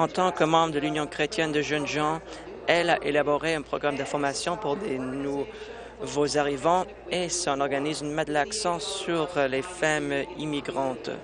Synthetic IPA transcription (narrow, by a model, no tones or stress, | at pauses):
ɑ̃t̪ɑ̃kəmɑ̃bʁəd̪əlynjɔ̃kχet̪jɛnd̪əʒənʒɑ̃ | ɛlaʔelabɔʁeɛ̃pχɔɡʁamd̪ɛ̃fɔʁmasjɔ̃puʁd̪enu | vozaʁivɑ̃ | esɔ̃nɔʁɡanizmɛ̃d̪laksɑ̃syʁlefamimiɡʁɑ̃t̪